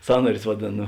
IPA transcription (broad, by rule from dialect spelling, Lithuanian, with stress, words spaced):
ˈsɑːnɐrʲʊs ʋɐˈdʲeːn